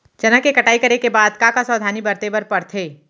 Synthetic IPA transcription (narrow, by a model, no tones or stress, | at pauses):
d͡ʒɐnəkekɐʈaːikɐɾekebaːd̪kãkasɔːd̪ʱaːnibɐɾt̪eːbəɾpɐɽt̪ʰeː